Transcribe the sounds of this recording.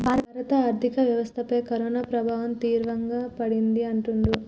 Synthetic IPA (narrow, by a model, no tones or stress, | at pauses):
bʱaːɾɾɐt̪ɐaːɾt̪ikɐʋjɐʋɐst̪ʰɐpɐjkɐɾoːnaːpɾɐbʱaːʋɐmt̪iːɾʋɐŋɡaːpɐɽind̪iɐɳʈund̪u